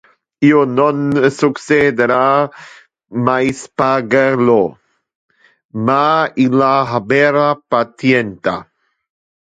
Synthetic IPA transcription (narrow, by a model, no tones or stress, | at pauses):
iononsuksed̪eɾa | majspaɡelo | mailaɦabeɾapat̪jent̪a̰